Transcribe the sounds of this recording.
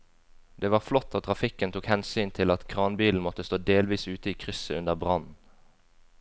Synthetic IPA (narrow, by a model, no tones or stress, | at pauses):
d̪̥eːʋɑːʁflɔt̪ʰːoːt̪ʰʁɑfɪkənt̪ʰuːkhɛnsyːnt̪ʰɪlɑt̪kʰʁɑːnbiːln̩mɔt̪əst̪oːd̪eːlʋiːsʉːt̪əiːkʰʁʏsəʉnd̪əʁbʁɑnn̩